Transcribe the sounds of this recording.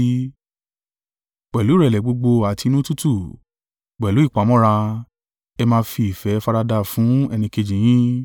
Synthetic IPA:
k͡pɛ˨lu˨˦ɾɛ˨lɛ˨˦ɡ͡bo˧ɡ͡bo˧a˨ti˧nũ˦tu˦tu˦˨ | ɡ͡bɛ˨lu˨˦i˦˨k͡pa˨˦mɔ̃˦ɾa˧ | ɛ˧mãː˧˦fi˧i˨fɛ˨˦fa˧ɾa˧da˧˨fũ˨˦ɛ˧nĩ˧ke˧d͡ʒĩ˨j̃ĩ˦

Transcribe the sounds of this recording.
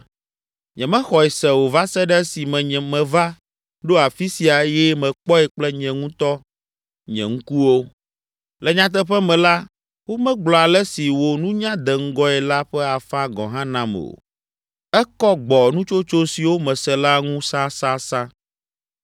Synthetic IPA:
ɲɛ̃˨mɛ̃˦xɔ˨ɛ˨sɛ˨wo˨va˦sɛ˦ɖɛ˦si˨mɛ̃˨ɲɛ̃˨mɛ̃˨va˦ | ɖo˦a˨fi˦si˨a˨˦jɛ˦mɛ̃˨k͡pɔ˦ɛ˨k͡plɛ˦ɲɛ̃˨ŋũ˦t̪ɔ˦ | ɲɛ̰̃˨ŋ̩˦ku˦wo˦ | lɛ˨ɲã˦t̪̬ɛ˦ɸɛ˦mɛ̃˨la˦ | wo˦mɛ̃˦ɡ͡blɔ˨a˨lɛ˦si˨wo˨nũ˦ɲã˦d̪ɛ˨ŋ̩˦ɡɔ˦ɛ˨la˦ɸɛ˦a˨fã˦ɡɔ̰̃˨ɦã˦nã˦mɛ̰˨o̰˨ | ɛ˦kɔ˦ɡ͡bɔ˨nũ˦t͡ʃo˦t͡ʃo˦si˨wo˦mɛ̃˨sɛ˨la˦ŋũ˦sa˦sa˦sã˦

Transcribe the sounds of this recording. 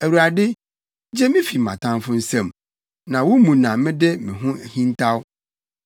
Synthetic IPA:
æ˨wu˨ɾa˨dɪ˦ | d͡ʑɛ˦mɪ̃˦fi˨mã̰˨tʰã˦nfʊ̃˦n̩˦sɛ̃˨m | nã˨wʊ˦mũ˨nã˨mɪ̃˦dɛ˦mɪ̃˨ɦʊ̃˦hĩ˦ntʰa˦w

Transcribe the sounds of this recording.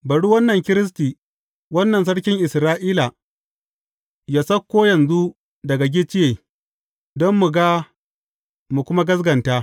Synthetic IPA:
bɐ˨ɽu˦wɐ˦nːɐ˨ŋkʲɪ˦ɾɪ˦s̬tiː˨ | wɐ˦nːɐ˨ns̬ɐ˦ɽkʲɪ˦ŋʔɪ˨sɾaː˦ʔiː˦la˨ | jaː˦sɐ˦kʷːoː˦jɐ˨nzu˦ | dɐ˨ɡa˨ɡʲɪ˦t͡ʃɪ˦jeː˨ | dɔ˦mːu˨ɡa˦ | mu˨kʷʊ˦ma˦ɡɐ˦s̬ɡɐ˨ntaː˦

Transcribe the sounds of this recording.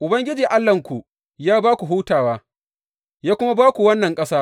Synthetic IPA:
ʔʊ˨bɐ˦ŋɡʲɪ˦d͡ʒiː˨ʔa˦lːɐ˨ŋkʷu˨ | jaː˦baː˦kʷu˨ɦuː˦taː˨waː˦ | jaː˦kʷʊ˦ma˦baː˦kʷu˨wɐ˦nːɐ˨ŋkʼɐ˦saː˦

